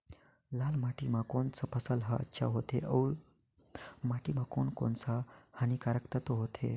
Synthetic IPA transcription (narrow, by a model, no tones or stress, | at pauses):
lalmaʈimakont͡səpəsəlɦaə̰tːɕʰa̰ɦot̪eʔəɾ | maʈimakoɳko̰nt͡sahañikaɾəkt̪ət̪oɦot̪ʰḛ